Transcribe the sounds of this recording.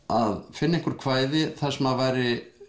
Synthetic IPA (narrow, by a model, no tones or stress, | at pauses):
aðfɪnːaẽŋkʏɾ̥kʰvaːjðɪθḁsɛmavajɾɪ